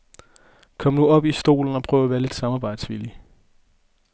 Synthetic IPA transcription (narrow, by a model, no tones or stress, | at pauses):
kʰɒ̽m̰nuɒ̽b̥isd̥o̝̰ːln̩ɒ̽pʰʁœːʊ̰æʋæːɐle̝d̥sɑ̈mɑ̈ːb̥ɑ̈ɪ̰d̥sʋili